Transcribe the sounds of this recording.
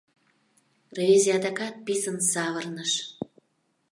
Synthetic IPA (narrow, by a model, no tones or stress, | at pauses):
revʲizʲiɑd̪ɑkɑt̪̚pisənsɑβərnəʃ